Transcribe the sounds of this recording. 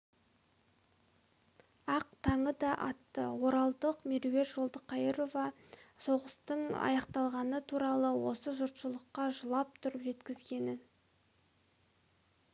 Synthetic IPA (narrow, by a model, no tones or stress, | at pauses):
ɑqt̪ʰɑɴəd̪ɑʔɑ̰t̪ːə̰wo̞ɾɑlˠd̪əqmiɾve̞rʒo̞lˠd̪əqʰɑjəɾo̞vɑ | so̞ʁəst̪əɴɑ̰jɑqt̪ɑlˠʁɑnət̪ʰuɾɑlˠəwo̞̰səʒʊɾt̪ʃəlˠəqːɑʒəlˠɑp̚t̪ʰʊɾəpʒe̞t̪kʲɪzɡʲe̞nɪn